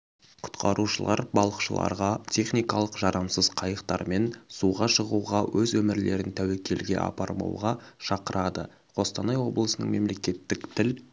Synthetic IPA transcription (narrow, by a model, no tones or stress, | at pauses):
qʰʊ̥t̪qʰɑɾuʃəlˠɑɾbɑlˠəqʃəlˠɑ̰ɾʁɑt̪ʲʰe̞χnijkɑlˠəqʒɑɾɑmsəzqʰɑjəqt̪ɑ̰ɾme̞nsuʁɑʃəʁuʁɑwʔɵzwɵmɪɾle̞ɾɪnt̪ʰæwe̞kʲʰe̞lɡʲe̞̰ʔɑ̰pɑɾmɑ̰wʁɑʃɑqəɾʔɑd̪ə̰ | qʰo̞st̪ɑnɑjwo̞blˠəsənə̰ŋme̞mle̞kʲe̞t̪ːɪkt̪ʰɪl